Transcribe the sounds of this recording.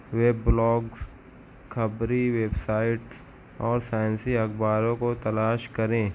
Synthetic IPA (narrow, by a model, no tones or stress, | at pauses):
weːblɔːɡs | kʰɐbɾiʋeːbsaːɪʈs | ɔːɾsaːj̃nsiɐkbaːɾõkot̪ɐlaːʃkɐɾẽː